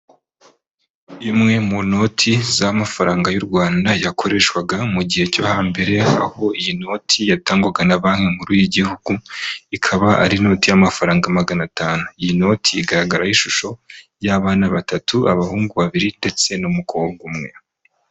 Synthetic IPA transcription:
imŋe̞muno̞tʰizamafaɾaːŋɡajuɾɡwaːndajakʰo̞ɾe̞ːʃwaɡamuɟihe̞cohaːmbe̞ɾe̞a̰ho̞ijino̞ːtʰijataːŋɡwaɡanaβaːŋhemuɾuːjiɟihuɡ̥uikʰaβaʔa̰ɾino̞ːtijamafaɾaːŋɡamaɡanataːnuijino̞ːtʰiiɡaɾaɡaɾahiʃuʃo̞ | jaβaːnaβatatuʔaβahuːŋɡuβaβiɾinde̞t͡se̞numukʰoːŋɡumŋe̞̰

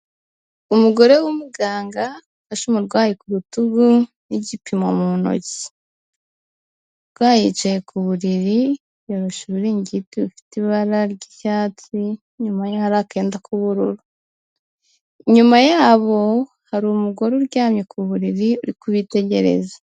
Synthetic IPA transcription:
umuɡo̞ɾe̞wumuɡaːŋɡa | aʃumuɾɡwaːjikuɾutuɡu | niɟipimamuno̞̰ci̥ | ɾɡwaːjit͡ʃaje̞kʰuβuɾiɾi | joɾoʃeβuɾiːɲɟitiβufi̥tiβaɾaɾɟicaːti | ɲumajahaɾake̞ːndakuβuɾuɾu | ɲumajaːβo̞ | haɾumuɡo̞ɾuɾɟaːmɲekʰuβuɾiɾiuɾikuβite̞ɟe̞̰ɾe̞̰za

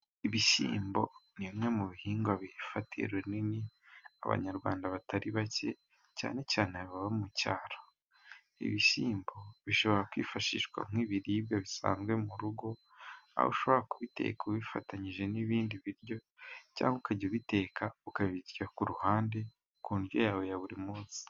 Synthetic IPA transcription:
iβisḭːmbo̞niβimŋe̞muβihiːŋɡwaβifatiḛɾweninia̰βa̰ɲaɾɡwa̰ːndaβataɾiβace̞ | ca̰ːne̞caːneaβiβaβamuca̰ːɾo̥ | ḭβisiːmbo̞βiʃo̞βo̞ɾakwiːfaʃḭːʃwa̰m̥ŋiːβiɾiːbjaβisa̰ːnzɡwe̞muɾuɡo̞ | a̰ho̰ʃo̞βo̞ɾakuβite̞̰ːkuβifataɲiʒe̞niβiːndiβiɾjo̞ | ca̰ːŋɡukaɟoβite̞ːkʰaukaβiβiɟakuɾuhaːnde̞ | kuːnɾjo̞̰jaːwe̞jaβuɾimuːsi̥

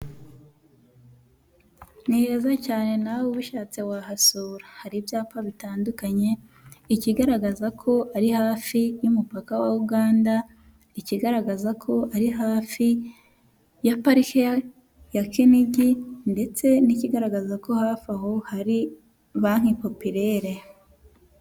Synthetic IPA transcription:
niɾezacaːne̞nawuβuʃaːt͡seβwahasuːɾahaɾibjaːpaβitaːndukaɲe̞ | iciɡaɾaɡazakʰo̞ʔaɾihaːfijumupakawauɡaːnda | iciɡaɾaɡazakʰo̞ʔaɾiɦaːfi | japaɾikea | jakiniɟinde̞t͡se̞niciɡaɾaɡazako̞haːfaɦo̞haɾi | βaŋ̥hipo̞piɾe̞ɾe

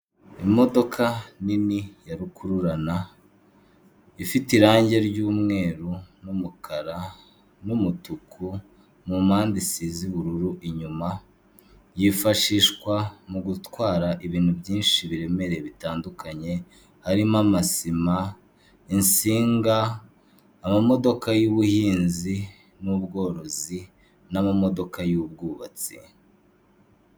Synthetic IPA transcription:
imo̞do̞kʰaninijaɾukʰuɾuɾana | ifitiɾaːɲɟe̞ɾɟuːmŋe̞ːɾunumukʰaɾa | numutukʰu | mumaːndisiziβuɾuɾuʔiɲuma | jifaʃiːʃkwamuɡutwaːɾaʔiβiːn̥hubjiːnʃiβiɾe̞me̞ɾeβitaːndukaɲe̞ | haɾimamasima | insiːŋɡaː | mamo̞do̞kajuβuhiːnzi | nuβɡo̞ːɾo̞zi | namamo̞do̞kajub̚ɡuːβat͡sḭ

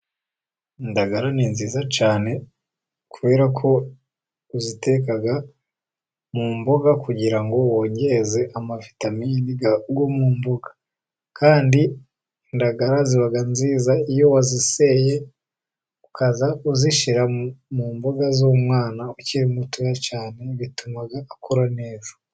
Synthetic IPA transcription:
ndaɡaɾaninziːzat͡ʃaːne̞ | kʰuβe̞ːɾakʰo̞ | uzite̞kaɡa | mumboɡakuɟiɾaŋɡo̞woːɲɟeze̞ʔamavitaminiɡaɡwomuːmboɡḁ | kʰaːndi | ndaɡaɾaziβaɡanziːzaijo̞wazise̞je | u̥kazauziʃiɾamuːmboɡazomwaːnauciɾimutujat͡ʃaːne̞βitumaɡaːkʰoɾane̞ːzḁ

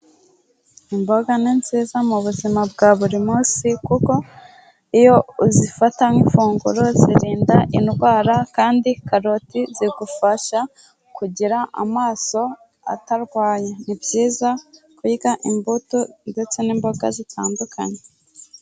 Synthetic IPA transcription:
imbo̞ɡaninziːzamuβuzimab̚ɡaːβuɾimuːsikuko̞ | ijo̞zifataŋiɱfuːŋɡuɾo̞zḭɾiːndaʔinɡwaːɾakaːndikaɾo̞tiziɡufaʃa | kuɟiɾaʔa̰maːso̞ | a̰taɾɡwaːjenibɟiːzakwuiɡaʔimbutude̞t͡se̞niːmbo̞ɡa̰zitʰaːndukʰa̰ɲe

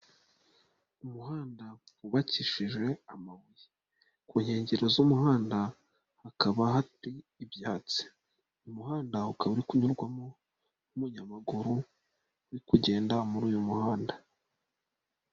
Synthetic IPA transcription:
umuɦaːndauβaciʃiʒe̞amaβuji | kuːɲhe̞ːɲɟe̞ɾo̞zumuhaːnda | hakaβaɦatiːbjaːt͡si̥ | umuɦaːndaukaβaɾikuɲuɾɡwamo̞ | umuɲamaɡuɾu | uɾikuɟe̞ːndamuɾuːjumuhaːnda

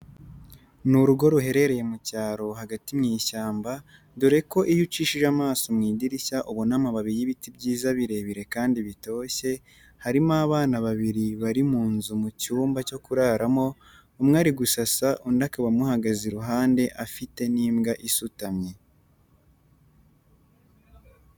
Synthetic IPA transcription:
nuɾuɡo̞ɾuɦe̞ɾe̞ɾe̞je̞mucaːɾo̞haɡatimŋiːʃaːmba | duɾe̞ko̞ʔijut͡ʃiʃiʒamaːsomŋiːɟiɾiaʔuβonamaβaβijiβitibɟiːzaβiɾe̞βiɾe̞kaːndiβito̞ːçe̞ | haɾimaβaːnaβaβiɾiβaɾimuːnzumucuːmbaco̞kuɾaɾamo̞ː | mŋaːɾiɡusasaʔundakaβamuhaɡaziɾuɦaːnde̞ʔafite̞niːmɡaʔisutamɲe̞

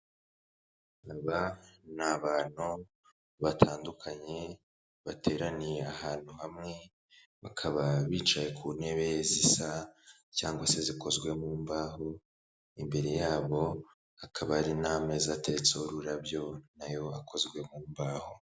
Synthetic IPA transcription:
aβanaβaːn̥hu | βatʰaːndukʰaɲe̞ | βatʰe̞ːɾanijeaɦaːn̥huhamŋe̞ | βakʰaβaβiːt͡ʃaje̞kʰuːne̞βezisa | caːŋɡwase̞ziko̞zɡwe̞muːmbaːɦo | imbe̞ɾe̞jaːβo̞ | akʰaβaɾinaːme̞zatet͡sooɾuɾabjo̞najo̞akʰo̞zɡwe̞muːmbaːho̞

